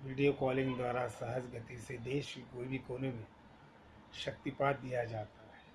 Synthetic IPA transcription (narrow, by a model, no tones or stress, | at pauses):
ʋɪɖijokɔːlɪ̃ŋɡd̪waːɾasɐɦəsɡət̪ised̪eːʃkoːibʱikoːnemẽ | ʃɐk̚t̪ipaːt̪̚d̪ijad͡ʒaːt̪aɦɛː